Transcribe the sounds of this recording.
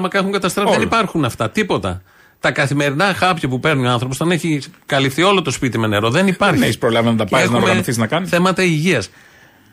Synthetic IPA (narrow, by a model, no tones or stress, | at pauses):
mɐkɐexuŋɡɐt̪ɐst̪ɾesðenipɐɾxunɐft̪ɐt̪ipo̞t̪ɐ̰ | t̪ɐkɐθime̞ɾinɐxɐpçɐpupe̞ɾnuoɐnθɾoposɐneçikɐlifθio̞lo̞t̪o̞spit̪ime̞ne̞ɾo̞ðe̞nipɐɾneçispɾolɐvenɐt̪ɐpɐznɐoɾmɣɐθiznɐkɐniθe̞mɐt̪ɐiʝiɐs